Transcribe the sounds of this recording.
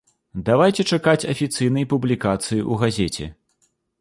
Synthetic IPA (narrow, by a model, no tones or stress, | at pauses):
d̪avajt͡sʲɛt͡ʂakat͡sʲɐfʲit̪sɨjnɐjpublʲikat̪sɨjiʔuɣazʲet͡sʲɛ̰